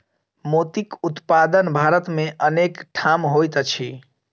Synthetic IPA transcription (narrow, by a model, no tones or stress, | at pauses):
mot̪ikut̪pad̪ənbʱaɾət̪meʔənekʈʰamɦojt̪ət͡ʃʰi